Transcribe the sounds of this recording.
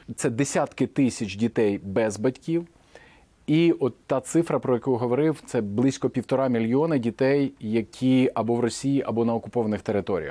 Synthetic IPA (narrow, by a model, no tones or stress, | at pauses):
t̪sɛd̪esʲat̪kɪt̪ɪsʲɐt͡ʃʲdʲit̪ɛjbɛzbɐtʲkʲiw | iɔt̪ːɑt̪sɪfɾɐpɾɔjɐkujɦɔʋɔɾɪwt̪sɛblˠɪsʲkɔpʲiwt̪ɔɾɑmʲilʲjiɔnɐdʲit̪ɛjːɐkʲʰiɐbɔʋrɔsʲijiʔɐbɔnɐɔkʊpɔʋɐnɪxt̪eɾɪt̪ɔɾʲijɐ̰x